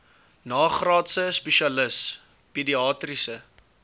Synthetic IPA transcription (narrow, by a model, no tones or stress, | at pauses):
nɑːχrɑːtsəspɛʃiɐləs | pediɑːtrisə